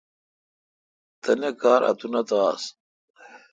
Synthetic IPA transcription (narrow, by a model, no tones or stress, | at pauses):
t̪ɐnekaːɾʔɐ̰t̪unɐt̪aːs